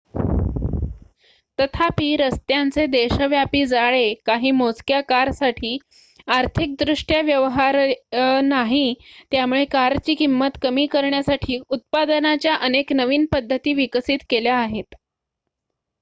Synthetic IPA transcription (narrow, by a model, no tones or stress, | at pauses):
t̪ət̪ʰapiːɾəst̪jant͡sed̪eɕəʋjapiːd͡zaɭekaɦiːmot͡skjakaɾsaʈʰiː | aɾt̪ʰik̚d̪ɾuʂʈjaʋjəʋɦaɾnaɦiːt̪jamuɭekaɾt͡ɕiːkimːət̪kəmiːkəɾɳjasaʈʰiːut̪̚pad̪ənat͡ɕjaʔəneknəʋiːnpəd̪ʱːət̪iːʋiksiːt̪keljaːɦet̪